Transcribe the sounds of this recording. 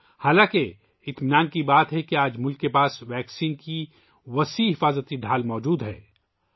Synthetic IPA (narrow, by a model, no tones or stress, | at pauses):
haːlãːke | ɪt̪mɪnaːnkibaːt̪ɦɛkiaːd͡ʒmʊlkːepaːsʋɛːksiːnki | ʋɐsiːɦɪfaːzət̪iɖʱaːlmɔːd͡ʒuːd̪ɦɛ̰ː